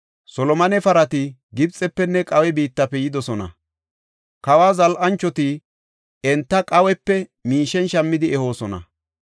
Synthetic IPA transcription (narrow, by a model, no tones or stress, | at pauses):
sɔlɔmɐnɛfɐɾɐt̪ɪɡɪb̚t͡sʼːɛpːɛnːɛkʼɐwɛbiːt̪ːɐpːɛjɪd̪ɔsɔnɐ̰ | kɐwaːzɐlʔɐnt͡ʃːɔt̪i | ɛnt̪ːɐkʼɐwɛpːɛmiːʃɛnʃɐmːɪd̪ɪɛho̞ːsɔnɐ̰